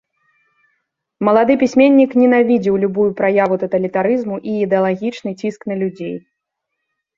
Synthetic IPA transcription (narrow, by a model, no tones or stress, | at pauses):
mɐlˠad̪ɨpʲisʲmʲenʲːiknʲɛnavʲid͡zʲiwlʲubujupɾajavut̪ɐt̪ɐlʲit̪aɾɨzmuʔiːd̪ɛɐlˠaɣʲit͡ʂnɨt͡sʲisknɐlʲud͡zʲej